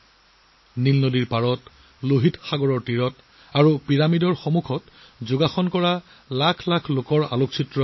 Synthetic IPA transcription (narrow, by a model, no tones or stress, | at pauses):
nilnodiɹpaɹɔt | loɦitxaɡɔɹɔɹtiɹɔt | aɹupiɹamidɔɹxɔmukʰɔt | zʊɡaxɔnkɔɹa | lakʰlakʰlokɔɹa̰lok̚t͡ʃʰitɹɔ